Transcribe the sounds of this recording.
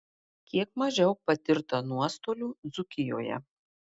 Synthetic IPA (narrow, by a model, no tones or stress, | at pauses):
kʲiɛk̚mɐʒʲɛʊpɐt̪ʲɪɾt̪ɐnuɔst̪oːlʲuːd̪zʊkʲɪjo̰ːjɛ̰